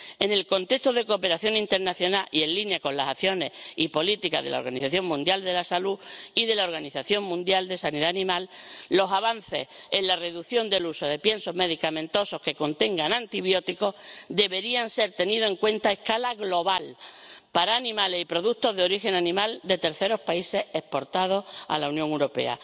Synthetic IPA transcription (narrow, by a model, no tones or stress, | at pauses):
e̞ne̞lko̞nt̪e̞kt̪oðe̞kope̞ɾaθjo̞ŋĩnt̪e̞ɾnaθjo̞naʔie̞nlinjako̞nlasaθjo̞ne̞hipo̞lit̪ika̰ðe̞laoɾɣaniθaθjo̞ŋmũnd̪jald̪e̞lasaluiðe̞lao̞ɾɣaniθaθjo̞ŋmũnd̪jald̪e̞saniðaːnĩmalːo̞saβan̟θe̞̰senlare̞ðuθjo̞nd̪e̞luso̞ðe̞pje̞nso̞ɦme̞ðikamẽ̞nt̪o̞so̞hke̞ko̞nt̪ẽ̞ŋɡanãnt̪iβjo̞t̪iko̞d̪e̞βe̞ɾianse̞ɾt̪e̞niðo̞e̞ŋkwẽ̞nt̪ae̞hkalaɣlo̞βalpaɾaːnĩmalesipɾo̞ðut̪o̞ɦðeo̞ɾixe̞nanĩmald̪e̞t̪e̞ɾθe̞ɾo̞hpaise̞hehpo̞ɾt̪að̞o̞ha̰launjõŋeɾo̞pe̞̰a̰